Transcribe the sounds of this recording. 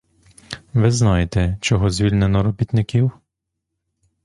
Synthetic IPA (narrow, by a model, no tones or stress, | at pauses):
ʋɪznajet̪ɛt͡ʃɔɦɔzʲʋʲilʲnenɔɾɔbʲit̪nɪkiw